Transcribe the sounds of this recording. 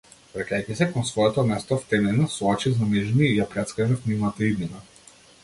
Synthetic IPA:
vɾakʲajcisɛkɔnsvɔjɛt̪ɔmɛst̪ɔft̪ɛnɛnasɔɔt͡ʃizaniʒniːjapɾɛt̪skɾɛʒafnivnat̪aid̪nina

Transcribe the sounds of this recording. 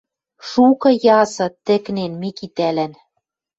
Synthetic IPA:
ʃukɤ̆jɑsɤ̆t̪ɘ̆knenmikit̪ælæn

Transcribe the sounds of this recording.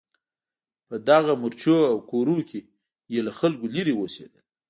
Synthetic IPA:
pəd̪aɣamʊɾt͡ʃoawkoɾukʰe | jelaxalɡoliɾewosḛd̪əl

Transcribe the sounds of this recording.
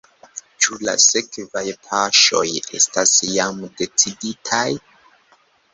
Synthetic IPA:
t͡ʃula̰sekvajpʰaʃo̞̰je̞̰stasjamde̞t͡siditʰaj

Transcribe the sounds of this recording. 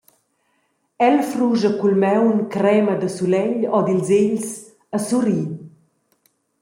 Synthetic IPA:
ɛlfruʒəkulmɛwnkɾɛməd̪əsulɛʎɔd̪ilzeʎs | əsuɾiː

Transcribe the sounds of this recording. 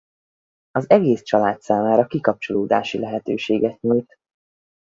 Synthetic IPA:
ɒzɛɡeːst͡ʃɒlaːt̪saːmaːɾɒkikɒp̚t͡ʃoloːd̪a̰ːʃilɛɦɛt̪øːʃeːɡɛt̪̚ɲult̪

